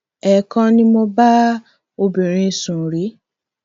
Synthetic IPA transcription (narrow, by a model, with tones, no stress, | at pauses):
ɛ˨kã˧nĩ˧mo˧ba˦ | o˧bĩ˨ɾ̃ĩ˧sũ˨ɾi˨˦